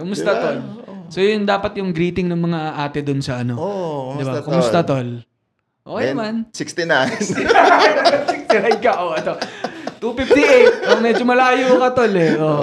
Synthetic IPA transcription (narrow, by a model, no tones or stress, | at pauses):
kʊmʊst̪ɐt̪olso̞ːjʊnd̪aːpɐt̪̚jʊŋɡɾiːt̪ɪŋnɐŋmɐŋaʔaːt̪ɛd̪ʊnsɐɐno̞d̪ɪbakʊmʊst̪ɐt̪ol | ʔoːkɛmɐnsɪkst̪ɪnant̪ɪansɪkst̪ɪnajnkɐʔoʔɐt̪ot̪uːpɪft̪iʔejt̪̚ːɐŋmɛd͡ʒomɐlaːjokɐt̪olɛʔo